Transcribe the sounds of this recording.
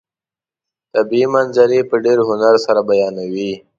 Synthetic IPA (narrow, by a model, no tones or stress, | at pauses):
t̪abiimanzaɾipəɖeɾɦʊnaɾsaɾabajɑnawi